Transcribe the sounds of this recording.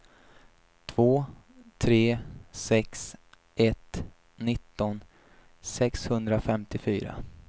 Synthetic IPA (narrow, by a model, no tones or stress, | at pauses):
t̪ʰv̥oːt̪ʰɾeːsɛks | ʔɛt̪ː | ɪt̪ːɔn | sɛkshɵnd̪ɾafɛmt̪ɪfyːɾa̰